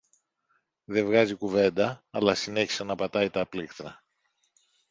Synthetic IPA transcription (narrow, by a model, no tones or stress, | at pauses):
ðe̞vɣɐzikuve̞nd̪ɐːlɐsine̞çi̥sɐnɐpɐt̪ɐit̪ɐːplixθɾɐ